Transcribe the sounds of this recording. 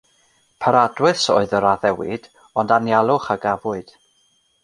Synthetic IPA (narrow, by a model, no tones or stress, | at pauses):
pʰaɾadwɨso̰ːɨðəɾaðɛwɪ̰d̥ | ɔndanjalˠʊχaɡavʊɨd̥